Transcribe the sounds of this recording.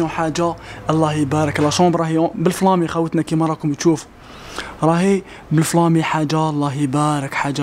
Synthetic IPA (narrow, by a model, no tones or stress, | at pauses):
ɔ̃ħaʒːaʔɑlˤːɑhibæɾəklæʃɑ̃bɾˤɑhibəlflɑmixæwət̪nækimɑɾˤɑkʊmt̪ʃufu̥ | ɾˤɑhi | bəlflɑmiħaʒːalˤːɑɦibæɾəkħaʒːa